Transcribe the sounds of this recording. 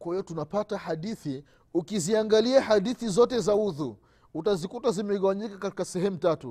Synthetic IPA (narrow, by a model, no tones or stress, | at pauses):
kwahiɔtunapatahaɗiθi | ukiziaŋɡaliahaɗiθizɔtɛzauðu | utazikutazimɛɣawaɲikakati̥kasɛɦɛmutatṵ